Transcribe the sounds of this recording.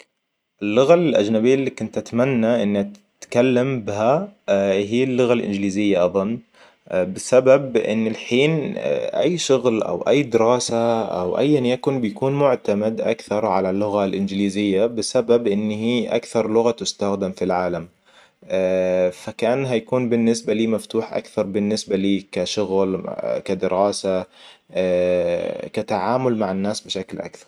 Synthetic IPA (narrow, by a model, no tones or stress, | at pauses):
ʔɪlːʊɣalʔa̰d͡ʒnabijːalːikʊnt̪ʔat̪manːaʔɪnːa | t̪kalːambɪɦa | ɦiːlːʊɣalʔɪ̰nd͡ʒliːzɪjːaʔɑðˤɨnː | bɪsababʔɪ̰nːɪlħiːn̰ʔa̰jːʃʊɣlʔa̰wʔa̰jːd̪ɪɾɑːsaʔa̰wʔa̰jːʔanjakʊnbɪjakuːnmʊʕt̪amad̪ʔa̰kθɑɾˤʕalalːʊɣalʔɪnd͡ʒliːzɪjːabɪsababʔɪnːhiːʔa̰kθɑɾˤlʊɣat̪ʊst̪axd̪amfilʕaːlam | fakaʔanːɦajakuːnbɪnːɪsbaliːmaft̪uːħʔa̰kθɑɾˤbɪnːɪsbaliːkaʃʊɣlkad̪ɪɾɑːsa | kat̪aʕaːmʊlmaʕanːaːsbɪʃaklʔa̰kθɑɾˤ